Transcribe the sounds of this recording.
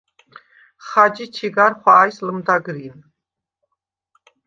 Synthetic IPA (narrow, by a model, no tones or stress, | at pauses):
χad͡ʒit͡ʃʰiɡaɾχwaːjsləmd̪aɡɾin